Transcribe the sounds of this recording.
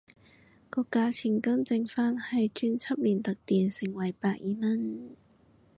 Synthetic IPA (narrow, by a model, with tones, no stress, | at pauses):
kɔː˧kːaː˧t͡sʰi˨˩ŋkɐ˥ŋt͡sɪ˧ŋfaː˥˨nhɐ˨˩jt͡ɕy˥nt͡sʰɐ˥p̚liː˨˩nt̪ɐ˨˩k̚t̪i˨˩nsɪ˨˩ŋwɐ˨˩˦jpaː˧˩k̚ʔiː˧˥mɐ˥˨n